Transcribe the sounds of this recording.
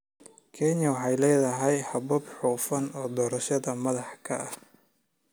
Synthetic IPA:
kʰɛɲɐwɑħɑjlɛːðɐɦɛjhɐbɐbħuːfɐnɔːd̪ɔːɾɐʃɐðɐmɐðɑħkʰɐ̰ɐ

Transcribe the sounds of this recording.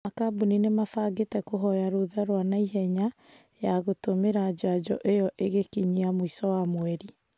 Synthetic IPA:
akabuninemafaɡetɛkoɦɔjaɾoðaɾwanaiɦɛɲa | jaɣotomeɾad͡ʑad͡ʑɔʔejɔʔeɣekiɲiamoisɔwamwɛɾi

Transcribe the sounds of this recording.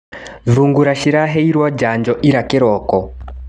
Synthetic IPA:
ðuŋɡuɾaʃiɾaɦeiɾwad͡ʒand͡ʒɔʔiɾakɛɾɔːkɔ

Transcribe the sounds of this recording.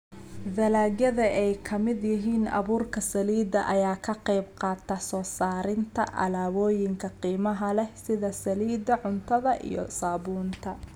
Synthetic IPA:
ðɐlaːɡjɐðɐʔɛjkʰɐmɪd̪jɪɦiːnɐ̰βuːrkʰɐsɐliːd̪ɐʔɐjaːkʰɐqɛjbqɑːt̪ʰɐsɔːsaːɾɪnt̪ʰɐ̰ʔɐ̰laːwɔːjɪŋkʰɐqiːmɐɦɐlɛsɪðɐsɐliːd̪ɐʕʊnt̪ʰɐðɐʔḭjɔ̰saːβuːnt̪ʰɐ

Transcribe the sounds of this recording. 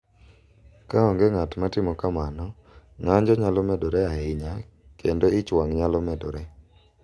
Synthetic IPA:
kaɔŋɡeŋatmatɪmɔkamanɔ | ŋaɲd͡ʒɔɲalɔmɛdoɾɛaɪɲa | kʰendoɪt͡ʃwaŋɲalɔmedoɾe

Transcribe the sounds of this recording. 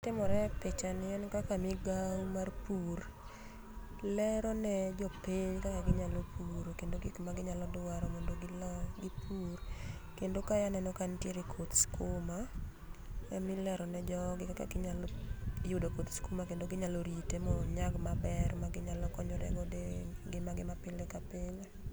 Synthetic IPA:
tɪmɔɾɛpet͡ʃanɪɛnkakamɪɡawmarpur | lɛɾɔnɛd͡ʒɔpiɲkakaɡɪɲalopuɾokendoɡɪkmaɡɪɲalɔdʊwaɾɔmondoɡɪlɡɪpurkendokajanɛnɔkantjeɾikʰot̪skoma | ɛmɪlɛɾɔnɛd͡ʒɔɡɪkaka̰ɡɪɲaljʊdakot̪skomakendoɡɪɲaloɾitemɔɲaɡmabɛrmaɡɪɲalɔkɔɲɔɾɛ̰ɡɔdeɡɪmaɡɪmapɪlɛkapɪle

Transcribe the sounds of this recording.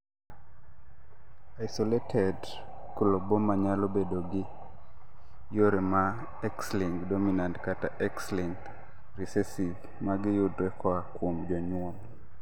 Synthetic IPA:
aɪsoletʰɛd | kulobomaɲalobedoɡɪ | joɾema | ɛksliŋɡdominantkataʔɛksliŋɡ | ɾisɛsiv | maɡɪjʊdɾɛkɔakwomd͡ʒɔɲwom

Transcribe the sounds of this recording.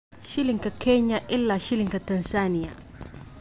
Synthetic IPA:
ʃiliŋkakʰeɲaʔɪlːaʃiliŋkatɐnsanija̰

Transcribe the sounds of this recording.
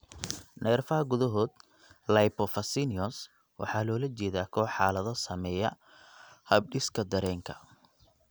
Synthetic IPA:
nɛːrfɐɦɐɡʊðɐɦɔːd̪ | lɐjpɔfɐsiniɔs | wʔɑ̰ħɑːlɔːlɐt͡ʃɛːðaːkʰɔːħɑːlɐðɐsɐmɛjɐ | hɐb̚ɖɪskʰɐd̪ɐɾɛːŋkʰɐ̥̰

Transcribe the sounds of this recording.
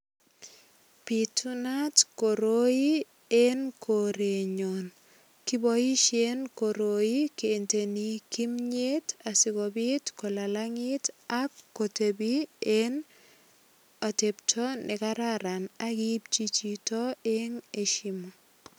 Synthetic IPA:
pitunatkoɾoi | enkʰoɾeɲon | kibɔiʃenkoɾojikeːntenikimɲetasiɡobitkɔlalaŋɪtakːotebien | oteptʰɔnʔɛkaɾaɾanaɡip̚t͡ʃit͡ʃitɔeŋeʃimɔ

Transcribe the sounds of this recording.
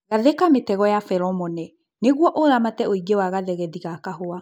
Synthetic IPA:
ɣaðekametɛɣɔjafɛɾɔmɔnɛ | neɣwɔʔoɾamatɛoiɡewaɣaðɛɣɛðiɣakaɦoa

